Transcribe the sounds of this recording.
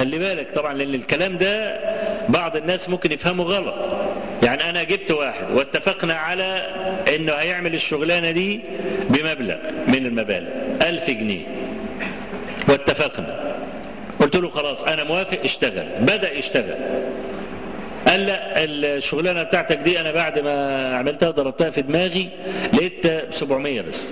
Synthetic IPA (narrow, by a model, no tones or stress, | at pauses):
xælːibæːlɪkt̪ˤɑbʕɑnleʔɪnːɪlkælæːmd̪æ | bɑʕd̪ˤenːæːsmʊmkɪnjɪfhæmuɣɑlɑt̪ˤ | jaʕniʔænæɡɪb̚t̪waːħɪd̪wɪt̪ːafɪqnaʕalæʔɪnːʊhæjeʕmɪlɪʃːʊɣlæːnæd̪iː | bɪmæbla̰ɣmɪnɪlmæbæ̰ːlɪ̰ʔælfɪɡnḭː | wɪt̪ːafɪqnæ̰ | ʔʊlt̪ʊluːxɑlɑːsˤʔænæmwæːfeʔʔɪʃt̪æɣæ̰lbæd̪æʔjɪʃt̪æɣæ̰l | ʔæːlːæʔelʃːʊɣlæːnæbet̪aʕt̪æk̚d̪iːʔænæbaʕd̪mæʕamɪlt̪æhæd̪ˤɑɾˤɑb̚t̪æhæfid̪mæːɣi | lʔɪt̪ːæbsobʕomɪjːæbæsː